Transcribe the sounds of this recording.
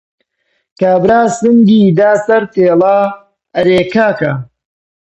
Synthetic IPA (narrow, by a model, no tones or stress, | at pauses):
kaːbɾaːsɨŋɡiːd̪aːsɐɾt̪eːlaː | ɐɾeːkaːka